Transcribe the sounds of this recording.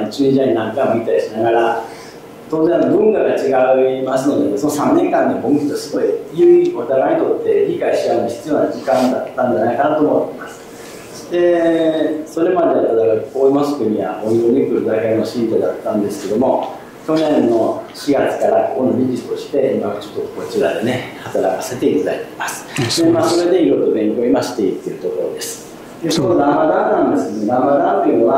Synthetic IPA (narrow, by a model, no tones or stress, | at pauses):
not͡ɕɨːɲid͡ʑaɲinãŋkamo̟ɡʲit̪aiɕinaɡaɾa | t̪oːzẽano̞bɯ̟̃ŋkaɡat͡ɕiɡaɯ̟masɨno̞d̪esono̞sãnːẽ̞ŋkãɲːiboŋkʲi̥t̪oasɨɡoijɯːikot̪aɾaɲ̟it̪o̞t̪ːe̞ɾʲikaiɕiaɯ̃nd̪çi̥t͡sɨjo̞ːnad͡ʑikãnd̪at̪ːãnɲd͡ʑanaikanat̪o̞ːmot̪ːeimasɨ̥ | d̪̥e̞ | so̞ɾe̞mad̪e̞at̪ad̪aɡakoːimosɨ̥k̪ɯɲʲiβaoɡoɲʲikɯ̟ɾɯ̟d̪akaino̞ɕĩnt̪ed̪at̪ːãnd̪e̞sɨ̥ke̞d̪o̞mo̞ | kʲo̞nẽ̞nːo̞ɕiɡat͡sɨ̥kaɾako̞ko̞no̞mʲid͡ʑi̥t̪o̞ɕi̥t̪e̞imaβat͡ɕo̞̥t̪ːoko̞t͡ɕiɾad̪e̞ne̞hat̪aɾakase̞t̪e̞it̪ad̪ait̪eimasɨ̥d̪e̞maːso̞ɾe̞d̪e̞iɾo̞it̪obẽ̞ŋkooimaɕi̥t̪ːeit̪ːeɯ̟t̪o̞ko̞ɾo̞d̪e̞sɨ̥ | d̪esonod̪ãmad̪ãnnãnd̪e̞sɨned̪ãmad̪ãmpʲɯ̃βa